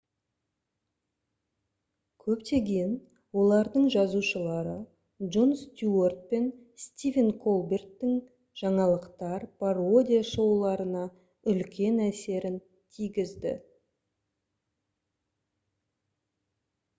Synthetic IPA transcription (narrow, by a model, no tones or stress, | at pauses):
kʲʰɵpt̪e̞ɡʲejn | wo̞lˠɑɾd̪əɴʒɑzuʃəlˠɑɾə | ʒonst̪ʲuort̪̚pe̞n | st̪ʲivʲenkʰolˠbe̞rt̪ːɪŋ | ʒ̥ɑɴɑlˠəqt̪ɑɾpʰaro̞d̪ʲijaʃo̞wlˠɑɾənɑ | ʏlkʲe̞næse̞ɾɪn | t̪ʰijɡʲɪzd̪ɪ̰